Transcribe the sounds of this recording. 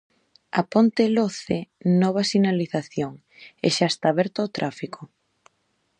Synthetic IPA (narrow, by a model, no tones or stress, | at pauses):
apont̪eloθenɔβ̞asinaliθaθjoŋ | ḛʃaest̪aːβɛɾt̪oaot̪ɾʔafikʰo